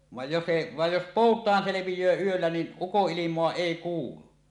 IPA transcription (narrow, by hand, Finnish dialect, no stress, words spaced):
ʋɑˑej jos se ʋɑj jos poˑutˑɑːn seleʋijˑøː yølːæ nin ukoʔːilimˑoɑ eˑi kuːlu